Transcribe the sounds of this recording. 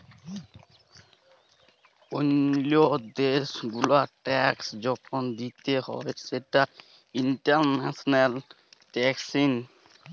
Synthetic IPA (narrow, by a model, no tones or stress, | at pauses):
onlod̪esɡulaʈɛksd͡ʑɔkʰɔnd̪it̪ehɔ̰eseʈa | inʈaɾnasɔnal | ʈɛksin